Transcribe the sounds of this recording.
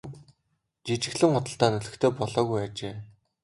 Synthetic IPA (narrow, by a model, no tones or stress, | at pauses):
t͡ɕit͡ɕɪ̆ɣɮɘ̆ŋχʊt̪ə̆ɬt̪aːnɵɮɵ̆xt̪ʰeːpɔɮɔːɣujat͡ɕeː